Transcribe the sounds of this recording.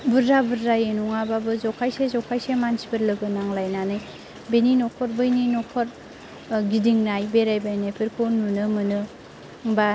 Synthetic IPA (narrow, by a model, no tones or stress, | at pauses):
bɯɾːabɯɾːajenuŋababɯzɔkʰajsezɔkʰajsemansi̥bʰɯɾlɯɡɯnaŋlajnanɯj | beninɔkʰɔɾbɯjninɔkʰɔɾ | ɡidiŋnajbeɾajbajnajpʰiɾkʰɯnunɯmɯnɯ | ŋba